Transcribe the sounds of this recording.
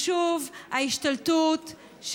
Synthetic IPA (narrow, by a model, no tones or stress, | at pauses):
ʃuvhaiʃtaltut | ʃ